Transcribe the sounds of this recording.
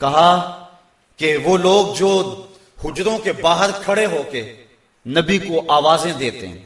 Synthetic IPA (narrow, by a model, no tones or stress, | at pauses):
kɐɦa | keʋoːloːɡ̚d͡ʒoː | hʊd͡ʒɾõkebaːɦəɾkʰɐɽeɦoːke | nɐbikoʔaːʋaːzẽd̪eːt̪ḛɦɛ̰̃ː